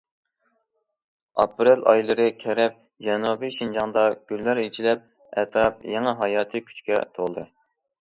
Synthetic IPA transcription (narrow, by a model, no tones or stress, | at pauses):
ɑ̰pɾelɑ̰jlˠɨɾɨkʲʰɛɾɛp̚ | d͡ʒɛnubiʃind͡ʒɑŋd̪ɑɡ̥ʲylːæɾet͡ʃʰilɛp̚ | æ̰t̪ʰɾɑp̚jɛŋɛɦɑjɑːt̪ʰɨkʲʰy̥t͡ʃkʲɛ̰t̪ʰolˠd̪ɨ